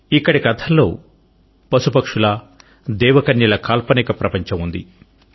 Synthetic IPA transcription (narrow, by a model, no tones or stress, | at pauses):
ikːɐɽikɐt̪ʰɐlːoː | pɐsupɐkʂulɐ | d̪ɛːʋɐkɐnjilɐkaːlpɐnikɐpɾɐpɐɲt͡ʃɐmund̪ḭ